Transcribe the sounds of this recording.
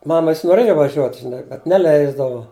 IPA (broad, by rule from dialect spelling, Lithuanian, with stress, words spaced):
ˈmɑːmɐ ˈʋʲɪs noːˈrʲeːjʊ ʋɐˈʒʲuɔt ʒʲɪˈnɐɪ bʲɛt nʲɛˈlʲɛɪzdɐʋʊ